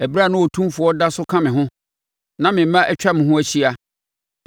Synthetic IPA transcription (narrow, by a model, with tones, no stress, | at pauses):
æ˨bɾa˦˨nʊ̃˦wɔ˨tʰũ˦fʊ˨ɔ˦da˦sʊ˦kʰã˦mɪ̃˨ɦʊ̃˦ | nã˦mɪ̃˨m˦mã˦ʔɛ˦t͡ɕᶣa˦mɪ̃˨ɦʊ̃˦æ˦t͡ɕʰi˦a˨